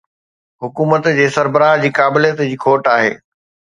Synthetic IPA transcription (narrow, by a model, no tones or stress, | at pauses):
ɦʊkuːmət̪d͡ʑeːsɐɾbəɾaːɦd͡ʑiːkaːbɪlijət̪d͡ʑiːkʰoːʈaːɦḛː